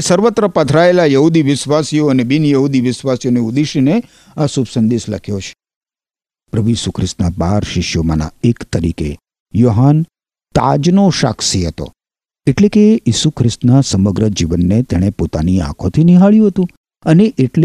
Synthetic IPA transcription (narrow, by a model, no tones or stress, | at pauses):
səɾʋət̪ɾəpət̪ʰɾaelajəɦud̪iʋɪʃʋasijoənebinjəɦud̪iʋɪʃʋasijoneud̪iʃine | asubsənd̪isləkʰjot͡ʃʰe̥ | pɾəbujisukʰɾɪst̪nabaɾʃɪʃjoma̰na̰ekt̪əɾḭkḛ | joɦan | t̪a̰d͡ʒnoʃa̰ksiɦət̪o̰ | eʈlekejisukʰɾɪst̪nasəməɡɾəd͡ʒiʋənːet̪ɛɽ̃epot̪aniã̰kʰot̪ʰiniɦaɭjũɦət̪ũ | əneʔeʈl